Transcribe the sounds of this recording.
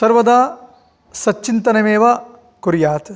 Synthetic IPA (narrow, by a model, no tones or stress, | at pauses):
sɐɾʋɐd̪aː | sɐt͡ʃːt͡ʃːint̪ɐnɐmeːʋɐ | kuɾjaːt̪